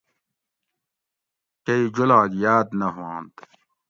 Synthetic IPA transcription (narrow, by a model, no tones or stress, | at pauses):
kɐid͡ʑulaːɡjaːd̪nɐɦãːnt̪